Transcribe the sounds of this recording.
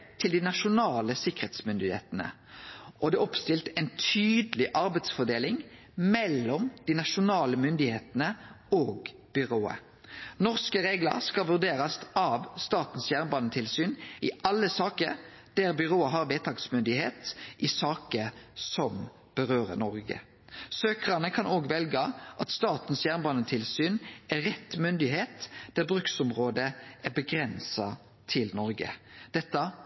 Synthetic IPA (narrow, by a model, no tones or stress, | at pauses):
t̪ʰɪld̪ɪnɑʃʊnɑːləsɪkəʁheːt̪smʏnd̪ɪhḛːt̪ənə̰ | ʔɔd̪ɛɔpst̪ɪlt̪ɛɪnt̪ʰyːd̪lɪʔɑɾbæɪd̪sfɔʁd̪eːlɪŋ | mɛlːɔmd̪̥ɪnɑʃʊnɑːləmʏnd̪ɪheːt̪ənə | oːɡ | b̥ʏʁoːə̰ | nɔʁskəʁeːɡlə̰ʁskɑʋʉʁd̪eːʁɑsɑʋst̪ɑːt̪n̩sjæːʁnbɑnːət̪ʰɪlsyːnɪʔɑlːəsɑːkəɾ | d̪̥æʁbʏʁoːɑɦɑʁʋeːt̪ʰɑːɡsmʏnd̪ɪheːt̪ʔɪsɑːkəsɔm | b̥əʁøːʁə̰nɔʁɡə̰ | søːkəʁɑnəkʰɑnoːɡʋɛlɡəʔɑt̪st̪ɑːt̪n̩sjæːʁnbɑːnət̪ʰɪlsyːnæʁɛt̪ːmʏnd̪ɪheːt̪d̪̥æʁbɾʉksʊmʁoːd̪əæʁbəɡʁɛnsɑ | t̪ʰɪlnɔɾɡə̰d̪̥ɛt̪ːɑ